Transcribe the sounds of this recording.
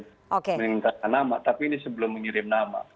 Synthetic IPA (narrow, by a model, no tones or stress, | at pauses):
okemənŋint̪akanːama̰t̪apiːnisəbəlʊmːəɲiɾɪmnama̰